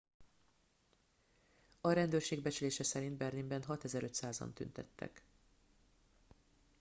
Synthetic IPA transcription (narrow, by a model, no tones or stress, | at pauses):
ɒɾɛnd̪øːrʃeːɡ̚bɛt͡ʃyleːʃɛsɛɾind̪̚bɛrlimbɛnɦɒt̪ɛzɛɾøt̪saːzɒ̰nt̪y̰nt̪ɛt̪ːɛ̰k